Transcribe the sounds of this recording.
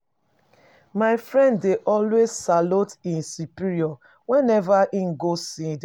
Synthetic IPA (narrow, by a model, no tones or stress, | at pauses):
maɪfɹɛ̃ndːeʔɔlwezsalutĩnsupiɾiɔ | wɛ̃nɛvaʔĩnɡosĩd